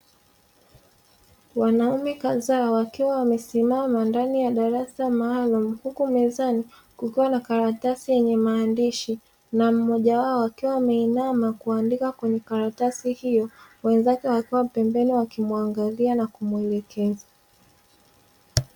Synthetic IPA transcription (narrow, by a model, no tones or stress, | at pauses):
wanaumɛkazawakiwawamɛsimamandanijaɗaɾasamaːlumuhukumɛzani | kukiwanakaɾatasijɛɲɛmaːndiʃi | nam̩mɔʄawaɔwakiwawamɛinamakuandikakwɛɲɛkaɾatasihijɔwɛnzakɛwakiwapɛmbɛniwakimuaŋɡalianakumuɛlɛkʰɛza